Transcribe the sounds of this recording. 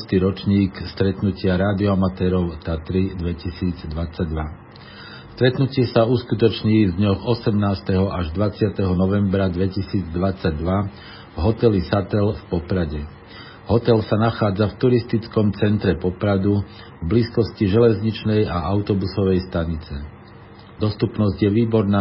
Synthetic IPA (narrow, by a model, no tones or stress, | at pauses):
st̪iːɾɔt͡ʃɲiːkst̪ɾɛt̪nucɪaɾaːd̪iɔamat̪ɛːɾɔʊt̪at̪ɾid̪ʋɛcisiːd͡zd̪ʋat͡saɟ̚d̪ʋa | st̪ɾɛt̪nucɪɛsauskut̪ɔt͡ʃɲiːzd̪ɲɔɣɔsɛmnaːst̪ɛɦɔʔaʒd̪ʋat͡sɪat̪ɛɦɔnɔʋɛmbɾad̪ʋɛcisiːd͡zd̪ʋat͡saɟd̪ʋa | vɦɔt̪ɛlisat̪ɛlfpɔpɾaɟɛ | ɦɔt̪ɛlsanaxaːd͡zaft̪uɾist̪it͡skɔmt͡sɛnt̪ɾɛpɔpɾad̪u | vbliːskɔsciʒɛlɛzɲit͡ʃnɛjaaʊt̪ɔbusɔʋɛjst̪aɲit͡sɛ | d̪ɔst̪upnɔzɟjɛʋiːbɔɾnaː